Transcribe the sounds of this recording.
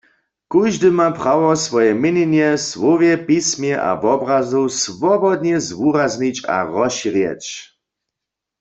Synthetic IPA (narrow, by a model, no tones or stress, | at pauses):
kujʒdɨmapʁawɔsvɔjɛmɪnɛnjɛswɔvjɛpismjɛʔa̰vɔbʁazusvɔbɔd̪nɛzvurazɲit͡ɕa̰ʁɔʃiʁjɛ̰t͡ɕ